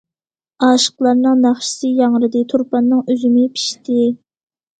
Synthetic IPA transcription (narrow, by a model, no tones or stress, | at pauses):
ɑːʃə̥qlˠɑɾnɨŋnæχʃi̥sɨjɑŋɾɨd̪ɨt̪ʰuɾpɑnːɨŋøzymɪpʰi̥ʃt̪ɪ